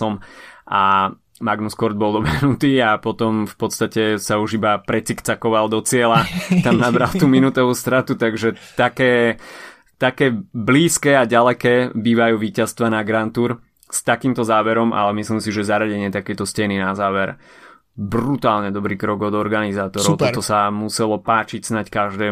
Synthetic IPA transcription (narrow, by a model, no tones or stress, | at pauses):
ɔmʔa | maɡnuskɔɾd̪̚bɔlˠd̪ɔmɛɦnut̪iːapɔt̪ɔmfpɔt̪st̪acɛsauʒibapɾɛt͡sikt͡sakɔʋald̪ɔt͡sɪɛlat̪amnabɾalt̪uːminut̪ɔʋuːst̪ɾat̪ut̪aɡʒɛt̪akɛː | t̪akɛːbliːskɛːaɟalɛkɛːbiːʋajuːʋiːcast̪ʋanaɡɾant̪uːɾ | st̪akiːmt̪ɔzaːʋɛɾɔmʔa̰lɛmislimsiʒɛzaɾaɟɛɲɪɛt̪akɛjt̪ɔscɛninazaːʋɛɾ | brut̪aːlɲɛd̪ɔbɾiːkɾɔɡɔd̪ɔɾɡanizaːt̪ɔɾɔʊtɔɔsamusɛlɔpaːt͡ʃicsnackaʒd̪ɛː